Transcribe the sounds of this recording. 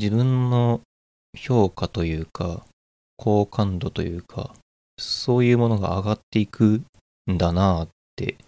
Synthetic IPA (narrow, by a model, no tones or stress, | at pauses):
d͡ʑibɯ̟̃nːo̞ | ço̞ːkat̪o̞jɯ̟ːka | kʰo̞ːkʰãnd̪o̞t̪o̞̰jɯ̟̰ːkʰa̰ | so̞ːjɯ̟ːmo̞no̞ɡa̰ːɡat̪ːe̞ikʰɯ̟ | nd̪anat̪ːe̞̰